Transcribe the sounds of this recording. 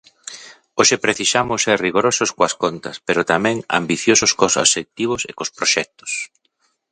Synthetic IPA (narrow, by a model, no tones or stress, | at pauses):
oʃepɾeθisamʊsɛriɣoɾosʊskoɐskont̪ɐ̰speɾʊt̪amɛ̃ŋa̰mbiθjosʊskosa̰sek̚t̪iβ̞ʊsḛkospɾoʃɛk̚t̪ʊ̥s